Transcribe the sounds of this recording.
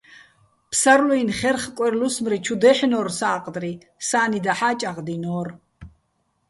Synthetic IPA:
pʰsaɾluinχɛrχkʼwɛɾlusmɾit͡ʃʰud̪ɛħnɔːrsaːqʼd̪ri | saːnid̪aħaːt͡ʃʼaʁd̪inɔːr

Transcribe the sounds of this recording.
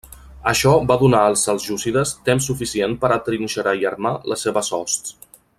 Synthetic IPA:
əʃɔbaðunaəlˠsəlˠzʒusiðəst̪emsːufisienpəɾət̪ɾinʲʃəɾaiərmaləseβəsɔst̪s

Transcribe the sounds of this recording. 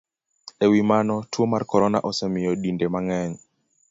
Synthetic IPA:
ɛwimanɔtwomarkɔɾɔna̰ʔɔsɛmɪjɔɗindemaŋɛɲ

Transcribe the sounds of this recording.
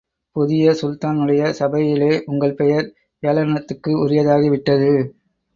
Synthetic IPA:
pʊðɪjɐsʊlt̪aːnɯɽɐjɐsɐbɐjɪleːʔʊŋɡɐɭpɛjɐɾ | eːlɐɾnɐt̪ːɯkːɯʊɾɪjɐðaːɣiʋɪʈːɐðɯ

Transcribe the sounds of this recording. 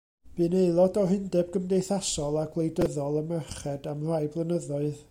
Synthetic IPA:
b̥ɨneɨlˠɔdɔɦɪndɛb̚ɡəmdejθasɔlˠaɡlˠejdəðɔlˠəmɛχɛdamr̥ajblˠənəðɔɨð

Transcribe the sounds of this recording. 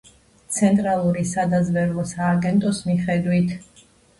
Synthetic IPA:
t̪sʰɛnt̪ʼɾalˠuɾisad̪azvɛɾlˠɔsaːɡɛnt̪ʼɔsmiχɛd̪wit̪ʰ

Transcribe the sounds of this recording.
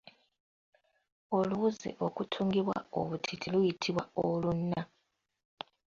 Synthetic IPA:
oluzḛʔokutʰuŋɡiβwa̰o̰βutʰitʰilwujitʰiβwaolunːa

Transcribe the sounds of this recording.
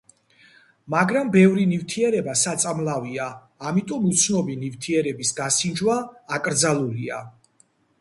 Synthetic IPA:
maɡɾambɛvɾinivt̪ʰiɛɾɛbasat̪sʼamlˠaviaː | mit̪ʼɔmut̪sʰnɔbinivt̪ʰiɛɾɛbisɡasind͡ʒwaːkʼɾd̪zalˠulia

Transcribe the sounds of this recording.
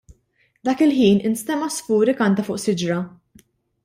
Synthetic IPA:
d̪ɐːkɪlħiːnɪnst̪ɛmɐsfuːɾikɐnt̪ɐfʊːʔsɪd͡ʒɾɐ

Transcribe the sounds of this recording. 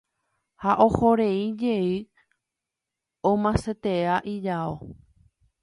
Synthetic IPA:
haʔo̞ho̞ɾe̞id͡ʒe̞ɨ | õmãset̪e̞aʔid͡ʒao

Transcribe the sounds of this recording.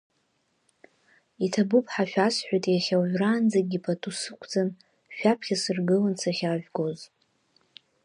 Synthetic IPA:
itʰabɨpʰʼħaʃᶣasħʷᶣajtʼjaχʲawʒʷᶣraːnd͡zaɡʲipʰatʰʼusɨkʷʰd͡zan | ʃᶣapʰχʲasɨrɡɨlant͡sʰaχʲaʒᶣɡo̞z

